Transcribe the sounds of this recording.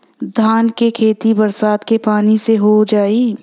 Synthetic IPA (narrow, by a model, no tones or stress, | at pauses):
d̪ʱaːnkekʰeːt̪ibɐɾsaːt̪kepaːniseɦod͡ʒaːiː